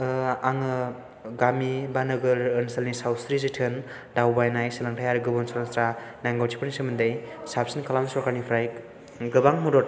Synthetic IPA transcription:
aŋɯ | ɡamibanɯɡɯɾɯnsalnisawsɾizitʰɯn | dawbajnajsilaŋtʰajaɾɡɯbɯnsɔlaŋsɾanaŋɡawt͡ʃʰi̥pɯnisimɯndɯjsap̚sinkʰalamisɔɾkanipʰɾaj | ɡɯbaŋmudot

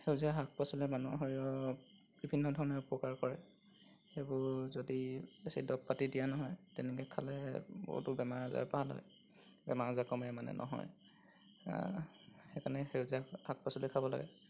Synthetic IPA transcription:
xeʊziaɦak̚pɔsɔlɛmanuɦɔiɔ | b̥ibʱinːɔdʱɔɹɔnɛʊpɔkaɹkɔɹɛ | xejbʊɹzodiesedɔp̚patidijanɔɦɔjtɛnɛkɛkʰalɛbo̰ɦṵtʊbɛmaɹaza̰paɦalɔ̰j | bɛmaɹazakɔmiɛmanɛ̰nʔɔ̰ɦɔ̰j | xɛkʰanɛxeziahak̚pasɔlɛkʰabɔla̰ɡɛ

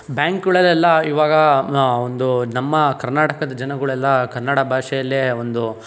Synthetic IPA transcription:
bjaːŋkɡɐɭɐlɛlːɐiːʋaːɡɐond̪unɐmːɐkɐɾnaːʈɐkɐd̪ɐd͡ʒɐnɐɡɐɭuɛlːɐkɐɾnaɽɐbʱaːʂɛjɐlːeond̪u

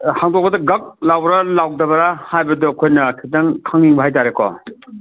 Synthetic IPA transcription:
haŋdɔk̚pɐdɐɡɐk̚lawɾɐlawdɐbɐɾahajbɐdɔɐkʰojnɐkʰidaŋkʰaŋiŋbɐɦajt̬aɾekʰɔ̰

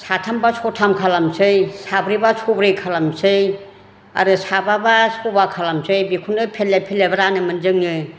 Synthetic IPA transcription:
satʰambasʰɔtʰamkʰalamsɯjsʰabɾibasʰobɾɯkʰalamsɯj | a̰ɾɯsababasʰobakʰalamsɯjbikʰundɯpʰelːepʰelebaɾanɯmɯnd͡ʒɯŋnɯ

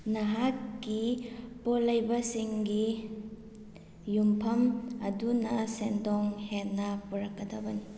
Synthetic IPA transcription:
nɐɦatɡipolɐjbɐsiŋɡi | jumpʰɐmɐdunɐsendɔŋhennːɐpuɾɐkːɐdɐbɐni

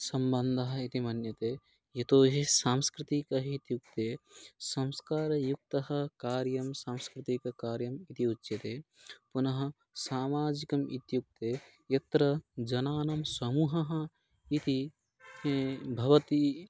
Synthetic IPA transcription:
sɐmbɐnd̪ʱɐɦɐit̪imɐnjɐt̪e | jɐt̪oːɦisaːmskɾɪt̪ikɐit̪juk̚t̪esɐ̃mskaːɾɐjuk̚t̪ɐɦɐ̆kaːɾjɐmsaːmskɾɪt̪ikɐkaːɾjɐmit̪iutːʃet̪epunɐɦɐ̆ | saːmaːd͡ʒikɐmit̪juk̚t̪e | jɐt̪ɾɐd͡ʒɐnaːnɐmsɐmuːɦɐɦɐ̃̆ | it̪i | bʱɐʋɐt̪i

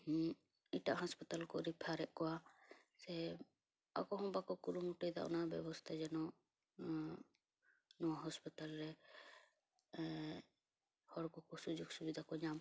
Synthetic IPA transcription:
iʈaʔɦɔspɔt̪alkɔɾipʰaɾɛʔkɔwa | sɛ | a̰kɔɦɔ̃bakɔkuɾumuʈɔjd̪a̰ʔɔ̰nabɛbɔst̪ʰad͡ʒɛnɔ | nɔwaɦɔspɔt̪alɾɛ | hɔɽkɔkɔsud͡ʒuɡsubid̪ʱakɔɲam

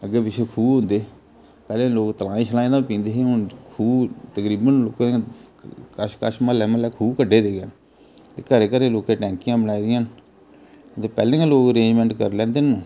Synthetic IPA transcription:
əɡeːpɪt͡ʃʰeːkʰuːɦʊ̃nd̪eː | pɛːlẽːloːkt̪əlãːĩːt͡ʃʰəlãːd̪aːpĩːnd̪eːɦeʊnkʰuːt̪əkɾiːbənloːkːe | kəʃkəʃmãːlɛːməlɛːkʰuːkəɖːeːd̪eːɡeːn | t̪eːkəɾeːkəɾẽːloːkeːʈɛ̃ːŋkɪjãːbənaːiːd̪ɪjãːn | t̪eːpɛːlẽːãːloːkəɾeːnd͡ʒmɛ̃ːɳʈkəɾlɛ̃ːnd̪eːnũː

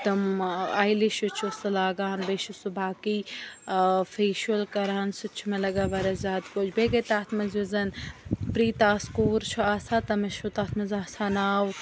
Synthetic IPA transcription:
t̪ɐmajliʃut͡ʃʰusɐlaːɡaːnbeːʃusubaːkiː | feːʃɐlkɐɾaːnsut͡ʃʰːumelɐɡaːbɐɾɐzʲaːt̪koːd͡ʒʰbeːɡɐt̪aːt̪ʰmɐzʋizɐnpɾiːt̪aːskuːɾt͡ʃʰuaːsaːt̪ɐmeʃut̪aːt̪ʰmɐzaːsaːnaːw

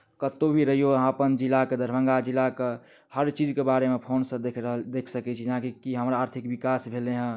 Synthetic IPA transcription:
kət̪obʱiɾəɦijoəɦãpənd͡ʒilːaked̪əɾbʱə̃ŋɡad͡ʒilːake | həɾt͡ʃid͡ʒkebaɾemẽpʰoːnsə̃d̪ekʰɾəɦd̪ekʰsəkɛt͡ʃʰid͡ʒɦãkikiɦəmɾaːɾt̪ʰikbikasbʱeleɦə̃

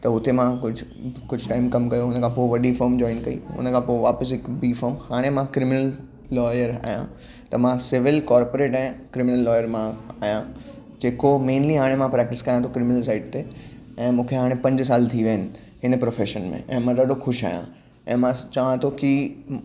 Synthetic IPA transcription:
t̪ɐɦʊt̪emãkʊd͡ʑʱkʊd͡ʑʱʈaːɪmkɐmkɐjoʊnə̆kʰãːpoːʋɐɗifɐɾmd͡ʑɔ̃ːɪ̃nkɐḭʊ̰nəkʰãpoːʋaːpəs̬ɪkbiːfəɾmhaːɽ̃emãkɾɪmɪnəlː | ɔːjəɾa̰ːɦjã̰ | t̪ɐmãsɪʋɪlkɔːɾpoɾeːʈɛ̃ːkɾɪmɪnəlːɔːɪjəɾmãaːɦjã | d͡ʑeːkomẽːnliɦaːɽ̃emãpɾɛːk̚ʈɪskɐjãt̪ʰokɾɪmɪnəlsaːɪʈ̚t̪eɛ̃ːmũːkʰeɦaːɽ̃epɐ̃ɲd͡ʑs̬aːlt̪ʰiʋɐɦənɪ̆ | ɪnəpɾoːfeːʃənmḛ̃ʔɛ̰̃ːmãɡɐɗoxʊʃa̰ːjã̰ | ɛ̃ːmãt͡ɕɐʋãt̪ʰoki

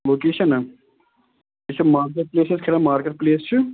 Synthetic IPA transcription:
loːkeːʃɐnɐ | esɐmaːɾk̬eʈ̚pleːsɐskʰeɾamaːɾkeʈ̚pleːst͡ʃʰu

